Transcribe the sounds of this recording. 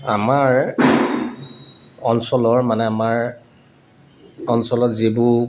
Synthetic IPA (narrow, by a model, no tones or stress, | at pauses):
amaɹ | ɔnsɔlɔɹmanɛamaɹ | ɔnsɔlɔtzibʊ